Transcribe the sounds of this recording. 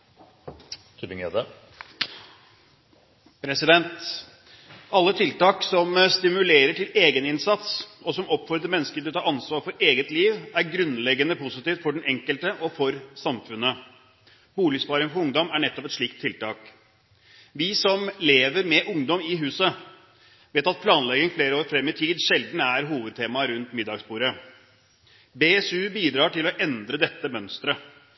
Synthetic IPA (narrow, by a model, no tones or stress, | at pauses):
t̪ʰypɪŋḛd̪ə | pʰɾɛsɪd̪ɛnt̪ | ɑlːət̪ʰɪlt̪ɑːksɔmst̪ɪmʉleːɾəʈɪleːɡənɪnsɑt̪sɔsɔmɔpːfɔɾd̪əɾmɛnːəskəʈ̪ɪlɔt̪ʰɑːɑnsʋɑːɾfɔɾeːɡət̪liːʋæɾɡɾʉnlɛɡːənəpʰʊsɪt̪iːft̪fɔɖɛnɛŋkəlt̪əʔɔfɔɾsɑmfʉnːə | buːlɪspɑːɾɪŋfɔɾʊŋd̪ɔmæɳɛt̪ːɔpɛt̪ʂɭiːkt̪ʰːɪlt̪ɑːk | ʋɪsɔmleːʋəɾmɛʔʊŋd̪ɔmɪɦʉːsə | ʋeːt̪ɑt̪̚pʰlɑːnlɛɡɪŋfleːɾəoːɾfɾɛmːɪt̪ʰiːd̪ʂɛld̪n̩æɾɦuːʋəd̪̚t̪ʰeːmɑɾʉnt̪mɪd̪ːɑɡsbuːɾə | beɛsʉːbiːd̪ɾɑːʈɪlɔʔɛnd̪ɾəd̪ɛt̪ːəmœnst̪ɾə